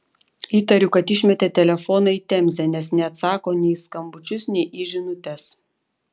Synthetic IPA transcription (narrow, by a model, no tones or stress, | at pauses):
iːt̪ɐɾʲʊkɐt̪ɪʃʲmʲɛt̪ʲɛt̪ʲɛlʲɛfɔːnɐit̪ʲɛmʲzʲɛnʲɛsnʲɛɐt̪sɑːkoːnʲɛɪskɐmbʊt͡ʃʲʊsnʲɛɪʔiʒʲɪnʊt̪ʲɛs